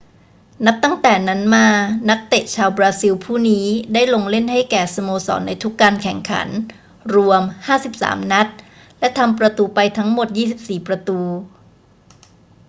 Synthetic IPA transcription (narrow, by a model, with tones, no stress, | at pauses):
na˦˥p̚t̪a˥˩ŋt̪ɛː˨˩na˦˥nmaː˧na˦˥k̚t̪e˨˩t͡ɕʰaː˧wbɾaː˧si˧wpʰuː˥˩niː˦˥daː˥˩jlo˧ŋle˥˩nha˥˩jkɛː˨˩so˧moː˧sɔ̰ː˩˦nːa˧jt̪ʰu˦˥kːaː˧nkʰɛ˨˩ŋkʰa̰˩˦n | ɾu˧əmhaː˥˩si˨˩p̚sa̰ː˩˦mna˦˥t̪̚ | lɛ˦˥t̪ʰa˧mpɾa˧t̪uː˧pa˧jt̪ʰa˦˥ŋmo˨˩t̪̚jiː˥˩si˨˩p̚siː˨˩pɾa˧t̪uː˧